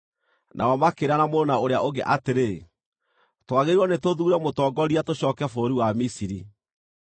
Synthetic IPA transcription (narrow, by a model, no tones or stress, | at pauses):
nʔa̰ɔmakeɾanamoɾonaoɾea̰ʔoɡeʔateɾe | twaɣeɾiwɔnetoðuːɾɛmotɔːɡɔɾiatoɕɔːkɛfoːɾiwamisiɾi